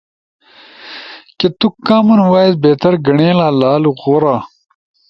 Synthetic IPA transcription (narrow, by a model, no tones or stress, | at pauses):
ket̪ukːaːmɐnwaːid̪beːt̪ɐɾɡɐɳeːlaːlaːluɣoːɾaː